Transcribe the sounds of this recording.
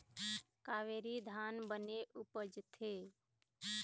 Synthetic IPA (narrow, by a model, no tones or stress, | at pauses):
kaːʋeːɾid̪ʱaːnbəneʔupəd͡ʒt̪ʰe